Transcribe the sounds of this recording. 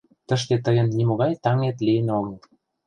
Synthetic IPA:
t̪ə̆ʃket̪əɣə̆nːimoɣɑjt̪ɑŋet̪lijənoɣəl

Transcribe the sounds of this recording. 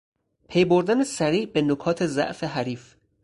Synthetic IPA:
pʰejboɾd̪ænesæɾiːʔbe̞nokʰɒːt̪ʰe̞zæ̰ʔfeɦæɾiːf

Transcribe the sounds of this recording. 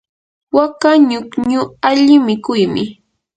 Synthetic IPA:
wakaɲʊkɲʊaʎɪmɪkʊjmɪ

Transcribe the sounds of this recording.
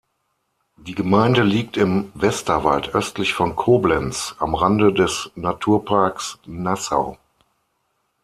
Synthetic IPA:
d̥iːɡəmaɪndəliːk̚tɪmvɛstɐva̰ltʰʔœstlɪçfɔnkʰoːblɛnt͡sʔa̰mʁandədɛsnatʰuːɐpʰaɐksnasa̰ʊ

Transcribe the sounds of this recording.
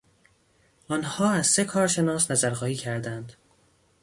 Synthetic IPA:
ʔɒːnhɒːæzse̞kʰɒːɾʃe̞nɒːsnæzæɾxɒːiːcʰæɾd̪ænd̪̥

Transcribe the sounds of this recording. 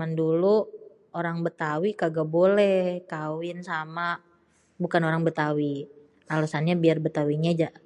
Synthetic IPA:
mandulu | oɾaŋbət̪awikaɡabolɛhhkawɪnsama | bukanoɾaŋbət̪awi | alasanɲabiarbət̪awiɲad͡ʒaʔ

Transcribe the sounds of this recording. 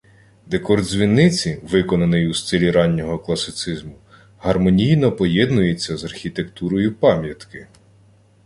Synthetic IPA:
d̪ekɔrd̪zʲʋʲinːɪt͡sʲiʋɪkɔnɐnɔjust̪ɪlʲiɾɑnʲːɔɦɔklˠɐsɪt̪sɪzmʊ | ɦɐrmɔnʲijnɔpɔjɛd̪nʊjet͡sʲːɐzɐrxʲit̪e̞kt̪uɾɔjʊpɑmʲjɐt̪kɪ

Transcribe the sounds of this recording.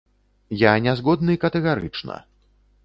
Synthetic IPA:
janʲazɣɔd̪̚nɨikɐt̪ɛɣaɾɨ̰t͡ʂnɐ̰

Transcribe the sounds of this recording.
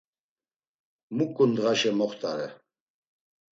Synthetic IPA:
mukʼːund̪ʁaʃɛmɔχt̪ʼaɾɛ

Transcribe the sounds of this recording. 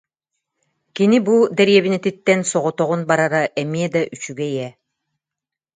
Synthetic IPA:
kinibud̪ɛɾijɛβinɛt̪it̪ːɛnsɔʁɔt̪ɔʁunbaɾaɾaʔɛmiɛd̪aʔyt͡ɕyɡɛijɛ

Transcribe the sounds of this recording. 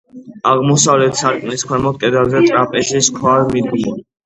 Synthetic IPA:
aʁmɔsavlɛt̪ʰsaɾkʼmniskʰwɛmɔt̪̚kʼɛd̪azɛt̪ʼɾapʼɛʃiskʰwaɾmid̪ɡi

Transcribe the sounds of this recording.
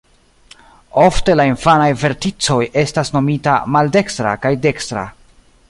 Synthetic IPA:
o̞fte̞lainfanajve̞ɾtit͡so̞je̞stasno̞mita̰malde̞kstɾa̰kajde̞kstɾa̰

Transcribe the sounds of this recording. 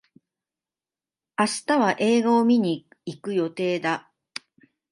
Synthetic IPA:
aɕi̥t̪aβaʔe̞ːɡaomʲiɲ̟i | ikɯ̟jo̞t̪e̞ːd̪a

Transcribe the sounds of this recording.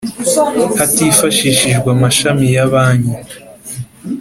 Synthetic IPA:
hatifaʃiʃiʒɡwamaʃamijaβaːɲi

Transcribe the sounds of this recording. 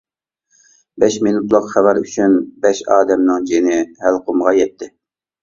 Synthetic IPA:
bɛʃminut̪lˠəqχæwæɾyt͡ʃʰynbɛʃɑːd̪ɛmnɨŋd͡ʒinɪhælqʰomʁɑjɛt̪ʰːɪ

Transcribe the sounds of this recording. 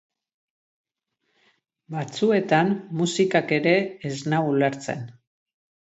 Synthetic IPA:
bat͡sue̞t̪amːusikake̞ɾe̞ːznauleɾt͡se̞̰n

